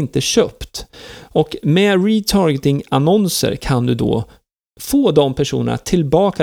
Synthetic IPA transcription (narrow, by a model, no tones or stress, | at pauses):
nt̪əɕøːpt̪ɔkmɛɾɪt̪ʰɑːɾɡət̪ɪŋanɔnsə̰ɾkʰand̪ɵd̪o̰ː | foːd̪ɔmpʰæʂṵːnə̰na̰t̪ʰɪlbɑːka